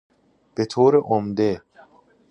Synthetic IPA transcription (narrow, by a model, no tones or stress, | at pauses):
b̥et̪ʰoːɾeʔomd̪e